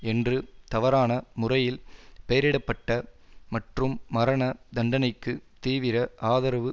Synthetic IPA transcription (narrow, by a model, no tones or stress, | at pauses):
ɛndrɯt̪ɐʋɐɾaːnɐmʊrɐjɪlpɛjɐɾɪɽɐpːɐʈːɐmɐʈrɯmːɐɾɐnɐd̪ɐɳɖɐnɐɪkːɯt̪iːʋɪɾɐʔaːðɐɾɐʋɯ